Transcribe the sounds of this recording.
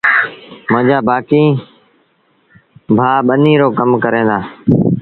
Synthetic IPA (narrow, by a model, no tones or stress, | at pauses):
mʊ̃ɦd͡ʒaːbaːkiː | bʱaːɓəniːɾoːkəmkəɾẽːd̪aː